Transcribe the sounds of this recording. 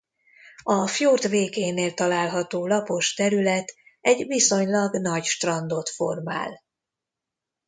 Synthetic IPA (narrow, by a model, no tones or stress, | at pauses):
ɒfjoːrt̪veːkeːneːlt̪ɒlaːlɦɒt̪oːlɒpo̞ʃt̪ɛɾylɛt̪ɛɟviso̞ɲlɒɡnɒɟʃt̪rɒnd̪o̞t̪fo̞rma̰ːl